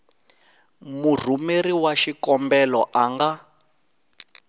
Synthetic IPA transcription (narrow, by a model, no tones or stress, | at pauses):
mur̤umeɾiwaʃikɔmbɛlɔʔaŋɡa